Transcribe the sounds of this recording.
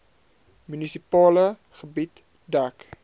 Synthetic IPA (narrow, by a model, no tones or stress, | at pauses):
mynisipɑːlə | χəbit | dæk